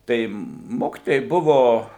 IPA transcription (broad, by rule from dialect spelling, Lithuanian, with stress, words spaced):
ˈtɐɪ ˈmoːkʲɪtoːjɛɪ ˈbʊʋoː